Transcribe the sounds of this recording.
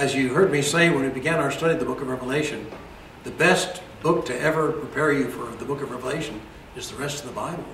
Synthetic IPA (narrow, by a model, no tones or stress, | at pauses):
ɨzjɨɦɜ˞d̚miseɪwə̃ñɨt̚b̥ɨɡæ̃ñaʊə˞stʌɾid̪ðəbʊkʌvɹɛvəleɪʃɨ̃n | ðɨbɛs | b̥ʊk̚tʰɨʔɛvə˞pʰɹ̥ipʰɛɹjɨfə˞ðəbʊkʌvɹɛvəleɪʃɨ̃n | ɨzðɨɹɛstʌvðəbaɪbl̩ˠ